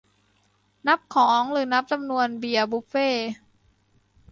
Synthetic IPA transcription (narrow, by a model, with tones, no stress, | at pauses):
na˦˥p̚kʰɔː˩˦ŋɾɯː˩˦na˦˥p̚t͡ɕa˧mnu˧ənbi˨˩əbuː˦˥p̚feː˥˩